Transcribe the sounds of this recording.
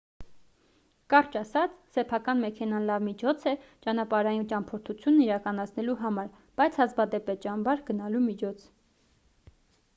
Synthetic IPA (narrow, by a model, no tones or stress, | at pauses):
kɑɾt͡ʃɑsɑt͡sʰsɛpʰɑkɑnmɛkʰɛnɑnlɑvmit͡ʃʰɔt͡sʰɛt͡ʃɑnɑpɑɾɑjint͡ʃɑnpʰɔɾt̪ʰut͡sʰjunːiɾɑkɑnɑt͡sʰnɛluɦɑmɑɾ | b̥ɑjt͡sʰhɑzbɑd̪ɛpɛt͡ʃɑnbɑɾɡənɑlumit͡ʃʰɔt͡sʰ